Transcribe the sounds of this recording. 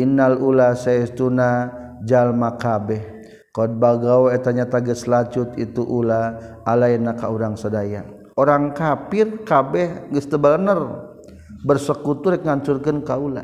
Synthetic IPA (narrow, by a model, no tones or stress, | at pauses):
inalulasaɛst̪una | d͡ʒalmakabɛh | kɔd̚baɡawet̪aɲat̪aɡəslat͡ʃuʊt̪it̪uʔulaː | lajɛnːakauɾaŋsadaja | oɾaŋkapɪrkabɛhɡəst̪əbəlnər | bərsəkut̪uɾɛkŋaɲt͡ʃurkənkaula̰